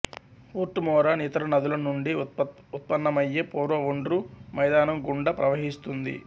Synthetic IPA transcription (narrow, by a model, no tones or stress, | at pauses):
puːɾʈːumɔːɾɐnit̪ɐɾɐnɐd̪ulɐnuɳɖi | ut̪̚pɐnːɐmɐjːepoːɾʋɐoɳɖɾumɐjd̪aːnɐmɡuɳɖɐpɾɐʋɐɦist̪und̪ḭ